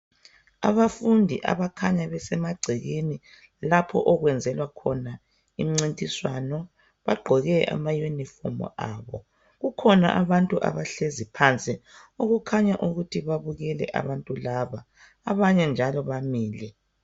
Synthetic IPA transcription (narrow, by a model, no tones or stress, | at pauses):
a̰βafundʱḭʔa̰βakʰaɲaβɛsɛmaɡ͡ǀʱiɣeni | lapʰɔ̰ʔɔɣwɛnd͡zʱɛlwakʰɔna | ḭm̩ŋ͡ǀintʼiswanɔ | βaɡ͡ǃʱɔɣɛʔa̰majonifɔ̰mɔ̰ʔaβɔ | ɣukʰɔna̰ʔaβantʼuʔa̰βaɬezipʰant͡sʼioɣukʰaɲaʔuɣutʰiβaβuɣɛlɛ̰ʔa̰βantʼulaβaː | βaɲɛnd͡ʒʱalɔβamiːlɛ